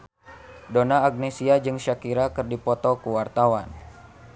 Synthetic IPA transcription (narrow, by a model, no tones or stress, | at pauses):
donaːɡ̚nesiad͡ʒɨŋʃakiɾakərdipɔt̪ɔkuwart̪awan